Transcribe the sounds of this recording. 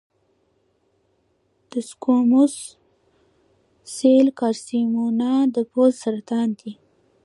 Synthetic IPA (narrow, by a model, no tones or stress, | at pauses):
d̪̥əskomus | selkɑɾsimunɑd̪əpozsaɾat̪ɑːnd̪i